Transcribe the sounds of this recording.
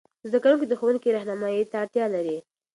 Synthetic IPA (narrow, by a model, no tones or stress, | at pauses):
zd̪akawuŋkod̪əxowuŋkiɾahnamɑjit̪aːɽt̪jɑlaɾi